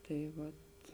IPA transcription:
tɐɪ ˈʋɐt

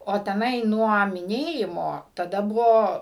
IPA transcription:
oː tʲɛˈnɐɪ ˈnuɔ mʲɪˈnʲeːjɪmoː tɐˈdɐ ˈbʊʋoː

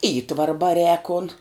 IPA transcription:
ˈiːtʋɐrɐ bɐˈrʲɛːk koːn

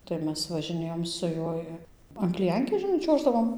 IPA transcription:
tɐɪ ˈmʲɛs ʋɐʒʲɪˈnʲeːjoːm sʊ ˈjuɔj ɐn klʲɪˈjɛŋʲkʲeːs ʒʲɪˈnɐɪ ˈt͡ʃʲuɔʒdɐʋoːm

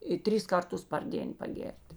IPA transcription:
ɪ ˈtʲrʲɪs ˈkɐrˌtʊs pɐr ˈdʲeːn pɐˈɡʲeːrʲtʲ

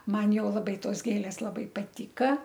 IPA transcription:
ˈmɐn ˈjɛʊ lˠɐˈbɐɪ ˈtoːs ˈɡʲeːlʲeːs lˠɐˈbɐɪ pɐˈtʲiːkɐ

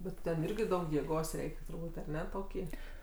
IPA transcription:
bʲɛt ˈtʲɛn ˈɪrʲɡʲɪ ˈdɐʊk jeːˈɡoːs ˈrʲɛɪkʲ tʊrˈbuːtʲ ɐˈnʲɛ ˈtoːkʲiː

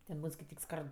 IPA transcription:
tʲɛn ˈbuːn skɐɪˈtʲiːk ˈskɐrt

